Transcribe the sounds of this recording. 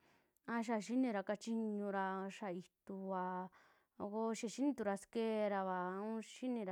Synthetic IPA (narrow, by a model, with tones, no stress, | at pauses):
ã˧ʃ̬a˧˨ʃi˦nĩ˧ɾa˧ka˧t͡ʃi˧ɲũ˧ɾa˧ʃa˧i˧t̪u˧βa˧ | ko˧ʃi˧˨ʃi˦nĩ˧t̪u˧ɾa˧ske˦ɾa˧βa˨ũ˦ʃi˦nĩ˧ɾa˧